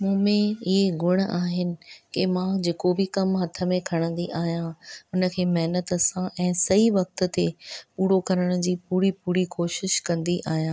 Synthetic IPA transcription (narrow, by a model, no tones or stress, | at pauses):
mũːmẽɪɦeɡʊɽ̃aːɦɪnɪ̆kɪmãd͡ʑeːkobʱɪkɐmɦɐt̪ʰə̆mẽkʰɐɽ̃ə̃n̆d̪iʔaːɦjãʊnə̆kʰeːmɐɦnət̪ɐsãʔɛ̃ːsɐiʋɐk̚t̪ə̆t̪epuːɾokɐɾəɽ̃ʊd͡ʑiːpuːɾipuːɾikoːʃɪʃkɐ̃nd̪iʔaːɦijãː